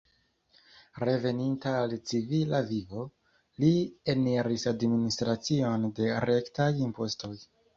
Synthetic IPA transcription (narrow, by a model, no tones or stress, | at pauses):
ɾe̞ve̞nintaːlt͡sivilavivo̞ | lie̞neɾisadministɾat͡sio̞nde̞ɾe̞ktajimpo̞sto̞j